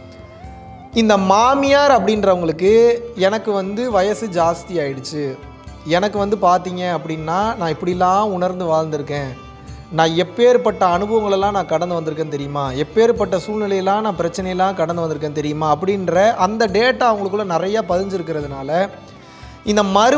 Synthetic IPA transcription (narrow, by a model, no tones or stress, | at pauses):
ɪnd̪ɐmaːmɪjaːɾɐpːɐɽɪnrɐʋɐŋɡɐɭɯkːɯɛnɐkːɯʋɐnd̪ɯʋɐjɐsɯd͡ʒaːst̪ɪjaːjɪɽɯt͡ʃːɯ | ɛnɐkːɯʋɐnd̪ɯpaːɾt̪iːŋɡẽɐpːɐɽɪnːaːnãːɪpːɐɽɪlːãːʊɳɐɾnd̪ɯʋaːɻnd̪ɯɾɯkːẽː | nãːɛpːeːɾpɐʈːɐɐnɯbɐʋɐŋɡɐɭɛlːãːnãːkɐɽɐnd̪ɯʋɐnd̪ɯɾɯkːẽːnɯt̪̬ɛɾɪjɯmaːɛpːeːɾɯpɐʈːɐsuːlnɪlɐjɐlːãːnãːpɪɾɐt͡ʃːɐnɐjɐlːãːkɐɽɐnd̪ɯʋɐnd̪ɯɾɯk̬ːẽːnt̪ɛɾɪjɯmaːɐpːɐɽɪnɾɐʔɐnd̪ɐɖeːʈːaːɐʋɐŋɡɐɭɯkːɯɭːɐnɪɾɐjaːpɐðɪɲd͡ʒɪɾɯkːɪɾɐðɯnaːlɐ | ɪnd̪ɐmɐɾɯ